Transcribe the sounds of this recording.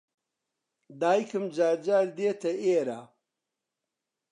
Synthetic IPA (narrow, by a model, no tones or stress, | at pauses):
d̪aːjkʰɨmd͡ʒaːɾd͡ʒaːɾd̪eːt̪ʰɐeːɾaː